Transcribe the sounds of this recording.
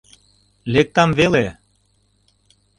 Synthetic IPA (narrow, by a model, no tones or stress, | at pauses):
lek̚t̪ɑmvele